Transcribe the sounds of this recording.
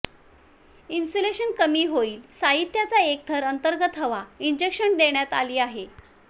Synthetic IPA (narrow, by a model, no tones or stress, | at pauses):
insoleɕənkəmiːɦoiːlsaɦit̪jat͡saek̚t̪ʰəɾənt̪əɾɡət̪ɦəʋaind͡ʑekɕəɳd̪eɳjat̪a̰liːaɦe